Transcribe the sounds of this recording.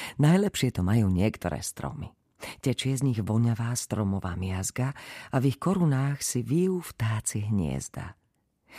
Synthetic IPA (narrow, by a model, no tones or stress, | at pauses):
najlɛpʃɪɛt̪ɔmajuːɲɪɛkt̪ɔ̰ɾɛ̰ːst̪ɾɔ̰mi | cɛt͡ʃɪɛzɲiɣʋɔɲaʋaːst̪ɾɔmɔʋa̰ːmɪazɡaavixkɔɾunaːxsiʋijuːft̪aːt͡siɦɲɪɛ̰zd̪a̰